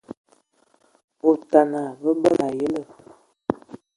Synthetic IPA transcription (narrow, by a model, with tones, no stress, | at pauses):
o˨ta˨na˨və˦bə˦la˨jə˦lə˦˨